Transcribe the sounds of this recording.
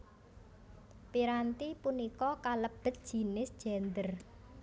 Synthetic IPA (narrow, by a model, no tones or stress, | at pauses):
piɾant̪ipunikɔkaləb̥ə̤t̪̚d̥ʒ̥i̤nɪsd̥ʒ̥ɛ̤nd̪ər